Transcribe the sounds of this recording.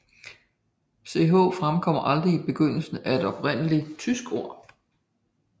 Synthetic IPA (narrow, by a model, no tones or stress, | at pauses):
se̝ɦo̝̰̽ːfʁamkʰɒ̽m̰ɐʔɑ̈ld̥ʁiːb̥e̝ɡ̥øn̰l̩sn̩æe̝d̥ɒ̽b̥ʁen̰əlit͡sʰysɡ̥o̝ɐ̰